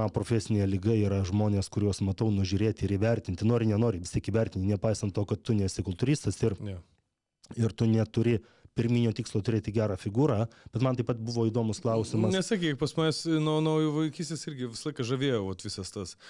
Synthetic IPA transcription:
ɐpɾoːfʲɛsʲɪnʲejɛlʲɪɡɐiːɾɐʒmoːnʲeːskʊɾʲoɔsmɐt̪ɐʊnʊʒʲʊɾʲeːt̪ʲɪɾɪʋʲɛrʲt̪ʲɪnʲt̪ʲɪnoːɾʲɪnʲɛnoːɾʲɪʋʲɪsʲt̪ʲiɛkiːʋʲɛrʲt̪ʲɪnʲt̪ʲɪnʲɛpɐɪsɐnt̪̚t̪oːkɐtt̪ːʊnʲɛsʲɪkʊlˠt̪ʊɾʲiːst̪ɐsɪr | ɪɾt̪ʊnʲɛt̪ʊɾʲɪ | pʲɪɾʲmʲɪnʲoːt̪ʲiːkslˠoːt̪ʊɾʲeːt̪ʲɪɡʲæːɾɑːfʲɪɡuːɾɑb̥ʲɛt̪mɐnt̪ɐɪpɐt̪buʋoːiːd̪oːmʊsklˠɐʊsʲɪmɐnʲɛsɑːkʲekɪkpɐsmʊjsnoɔnɐʊjuʋɐɪkʲiːsʲt̪ʲeːsɪrʲɡʲɪʋʲɪsɐlˠɐɪkɐʒɐʋʲeːjoːʋɐt̪ʋʲɪsɐst̪ɐs

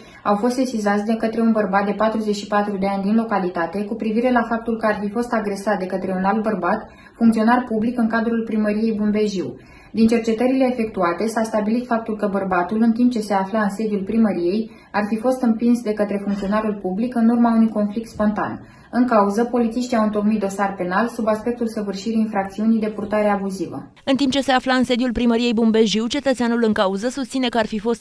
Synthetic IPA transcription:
awfo̞st̪esizat̪sʲd̪e̞kət̪ɾe̞unbərbat̪̚d̪e̞pat̪ɾuze̞t͡ʃʃipat̪ɾud̪e̞anʲd̪inlo̞kalit̪at̪e̞kupɾiviɾe̞lafap̚t̪ulkəarfifo̞st̪aɡɾe̞sat̪̚d̪e̞kət̪ɾe̞unalt̪̚bərbat̪ | fuŋkt̪sio̞narpublikɨŋkad̪ɾulpɾiməɾije̞jbumbe̞ʒiw | d̪int͡ʃe̞rt͡ʃe̞t̪əɾile̞ːfe̞kt̪uat̪e̞sast̪abilit̪fap̚t̪ulkəbərbat̪ulɨnt̪imp̚t͡ʃe̞se̞aflaɨnse̞d̪julpɾiməɾije̞j | arfifo̞st̪ɨmpinsd̪e̞kət̪ɾe̞fuŋkt̪sio̞naɾulpublikɨnurmaunujko̞nflikt̪spo̞nt̪a̰n | ɨŋkauzəpo̞lit̪siʃt̪iawɨnt̪o̞kmit̪d̪osarpe̞nalsubaspe̞k̚t̪ulsəvɨrʃiɾiinfɾak̚t̪siunijd̪e̞purt̪aɾeabuzivə̰ | ɨnt̪imp̚t͡ʃe̞se̞aflaɨnse̞d̪julpɾiməɾije̞jbumbe̞ʒiwt͡ʃe̞t̪ət̪seanulɨŋkauzəsust̪sine̞kəarfifo̞st̪

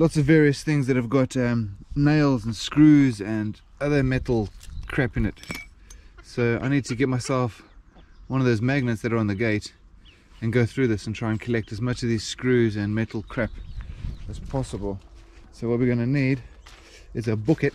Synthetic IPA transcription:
lɔtsʌvɛɹiɨsθɪ̃ŋzðɨt̚hɨvɡɑtʌ̃mneɪlˠz̃nskɹʉzɨ̃n | ʌðə˞mɛɾl̩ˠkʰɹ̥ɛpɨ̃nɨt̚ | soʊa̰ɪñid̚tʰɨɡɛt̚maɪsɛlˠfwʌ̃nʌvðoʊzmæɡ̚nɨtsðɨɾə˞ə̃nðɨɡeɪɾ | ɨ̃nɡoʊθɹʉðɪsn̩tʰɹ̥aɪ̃nkʰəlɛk̚tɨzmʌt͡ʃʌvðiz̥skɹʉzɨ̃nmɛɾˡl̩ˠkʰɹ̥ɛp | ɨz̥pʰɑsəbəl̩ˠsoʊwʌt̚wɨɡʌnɨnid | ɨzɨbʊkɨt̚

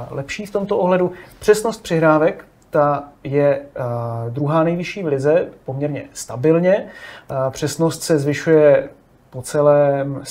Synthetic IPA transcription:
lɛpʃiːft̪o̞mt̪oʔoɦlɛdupr̝̥ɛsnost̪̚pr̥ɪɦɾaːvɛk | t̪ajɛ | d̪ɾuɦaːnɛjvɪʃiːvlɪzɛpomɲɛɾɲɛst̪abɪlɲɛ | pr̝̥ɛsno̞st̪sɛzvɪʃujɛ | po̞t͡sɛlɛːm

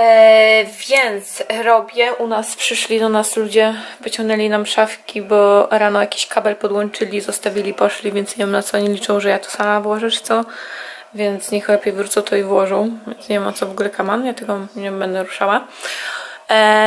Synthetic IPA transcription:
vʲjɛnt̪sɾɔbʲjɛʔunaspʂɘʂlʲid̪ɔnaslud͡ʑɛvɘt͡ɕɔ̃ŋɡnɛlʲinamʂafkʲibɔɾanɔjakʲi̥ɕkabɛlpɔd̪wɔnt͡ʂɘlʲizɔst̪avʲilʲipɔʂlʲivʲjɛnt̪sɲemamnat̪sɔɔɲilʲit͡ʂɔ̃w̃ʐɛjat̪ɔ̥samavwɔʐɘʂt̪ɔ | vʲjɛnt̪zɲɛxlɛpʲjejvɾut̪sɔwt̪ɔivwɔʐɔwvʲjɛnsɲɛmat̪sɔvɔɡulɛkamanjat̪ɛɡɔɲɛbɛnd̪ɛɾuʂawa

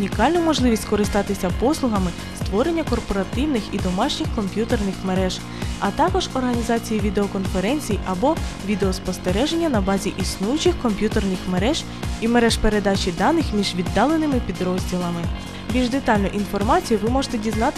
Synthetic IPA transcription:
ʊnʲikɑlʲnʊmɔʒlˠɪʋʲisʲtʲkɔɾɪst̪ɑt̪ɪsʲɐpɔslˠʊɦɐmɪ | st̪ʋɔɾe̞nʲːɐkɔrpɔɾɐt̪ɪwnɪxid̪ɔmɑʃnʲixkɔmʲpʲjut̪ernɪxmeɾɛʒ | ɐt̪ɑkɔʒɔrɦɐnʲizɑt͡sʲijiʋʲid̪e̞ɔkɔnfeɾɛnʲt͡sʲijʔɐbɔʋʲid̪eɔspɔst̪eɾɛʒe̞nʲːɐnɐbɑzʲiʔisnujʊt͡ʃɪxkɔmʲpʲjut̪ernɪxmeɾɛʒ | imeɾɛʒpe̞ɾe̞d̪ɑt͡ʃʲid̪ɑnɪxmʲiʒʋʲid̪ːɑlˠe̞nɪmɪpʲid̪ɾɔzʲdʲilˠɐmɪ | bʲiʒd̪et̪ɑlʲnʊʔin̪fɔrmɑt͡sʲijiʋɪmɔʒet̪edʲiznɑt̪

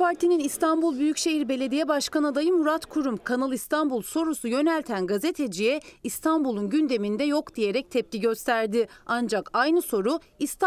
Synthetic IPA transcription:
pʰaɾt̪ʰininist̪ʰanbulˠbyjycʃe̞ɦiɾbe̞lʲe̞d̪ijɛbaʃkanad̪ajɯmːuɾat̪kʰuɾumkʰanɯlˠist̪ʰanbulˠso̞ɾusujø̞nɛlʲt̪ʰænɡazet̪ʰed͡ʒijɛist̪ʰanbulˠunɟynd̪e̞mind̪ɛjo̞kd̪̥ije̞ɾɛc̚t̪ʰɛp̚t̪iɟø̞st̪ʰæɾd̪ɪand͡ʒakajnɯso̞ɾu | ist̪

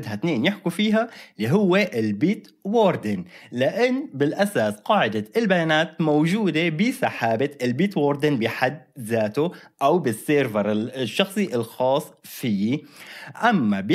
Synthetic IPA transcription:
d̪hat̪neːnjɪħkufiːɦaliɦʊwːeʔɪlbiːt̪ | woːɾd̪ɪnlɪʔɪnːbɪlʔasaːsqɑːʕɪd̪aɪlbajaːnaːt̪mowʒuːd̪ebɪsaħaːbaɪlbiːt̪woːɾd̪ɪnbɪħad̪ːzaːt̪ʊʔawbɪsːeːɾvɪɾʃːɑxsˤiʔɪlxɑːsˤːfɪjːiʔamːabɪ

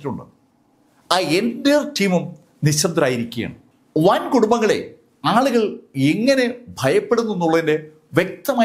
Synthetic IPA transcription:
itːuɳɖɨ | aːendijɐrtiːmum | niɕɐmd̪ɾaːjiɾikʲːuja̰ːɳɐ̰m | ʋɐnkuɽumbɐŋːɐɭḛ | aːɭuɣɐɭeŋːɐne̞bʱɐjɐpːe̞ɽunːuenːuɭːɐðinde̞ | ʋjek̚t̪ɐmaː

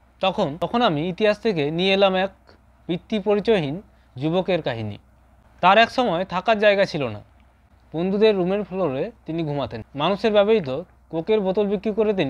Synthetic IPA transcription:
t̪ɔkʰont̪ɔkʰonamiit̪iɦast̪ʰek̬enieelamɛk̚ | bɾit̪ːipoɾit͡ɕoɦin | d͡ʑubokeɾkaɦinḭ | t̪aɾɛkʃɔmɔet̪ʰakaɾd͡ʑaeɡat͡ɕʰilona̰ | b̥ond̪ʱud̪eɾːumeɾpʰoloɾet̪iniɡʱumat̪enmanuʃeɾbɛboɦit̪̬o | kokeɾbot̪olbikɾikoɾet̪̬ini

